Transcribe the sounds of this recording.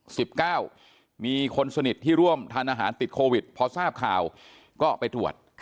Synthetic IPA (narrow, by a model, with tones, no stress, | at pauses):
si˨˩p̚kaː˥˩w | miː˧kʰo˧nsa˧ni˨˩t̪ʰːiː˥˩ɾu˥˩əmt̪ʰaː˧nʔaː˧ɦaː˩˦nt̪i˨˩t̪̚kʰoː˧wi˨˩t̪̚pʰɔ˦˥saː˥˩p̚kʰaː˨˩w | kɔː˥˩pa˧jt̪ɾu˨˩ət̪̚